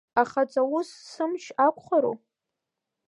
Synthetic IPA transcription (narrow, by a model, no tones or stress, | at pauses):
aχat͡sʼawʊsːɨmʃʰakʷʰʼχaɾo̰